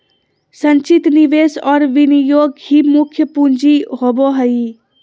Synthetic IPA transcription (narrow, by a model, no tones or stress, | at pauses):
sə̃ɲt͡ʃɪt̪niʋeːsɔːɾʋɪnijoːɡhimʊkʰjəpund͡ʒiɦoboɦɐi